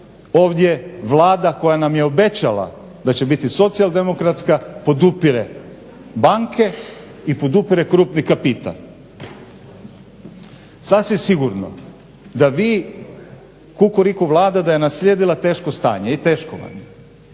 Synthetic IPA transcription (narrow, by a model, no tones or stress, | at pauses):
oːʋd̪ʲjeʋlˠaːd̪ako̞janamje̞o̞be̞t͡ɕalˠa̰ | d̪at͡ɕebit̪iso̞t̪sijalˠd̪e̞mo̞kɾat̪skapo̞d̪upiɾe | baŋkʰe̞ | ipo̞d̪upiɾe̞kɾuːpnikapit̪a̰l | sasʋimsiɡuɾno̰ | d̪aʋiː | kukuɾikuʋlˠaːd̪ad̪ajenasʎʲeːd̪ilˠat̪e̞ːʃkost̪a̰ːɲeit̪e̞ːʃko̰ʋa̰ɲe